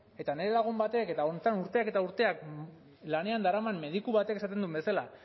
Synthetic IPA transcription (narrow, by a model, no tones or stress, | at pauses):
e̞t̪ane̞ɾe̞laɣ̞umbat̪e̞ke̞t̪aont̪anuɾt̪e̞ake̞t̪auɾt̪e̞ak̚ | lane̞and̪aɾamanme̞ð̞ikuβat̪e̞ke̞sat̪e̞nd̪umbe̞sala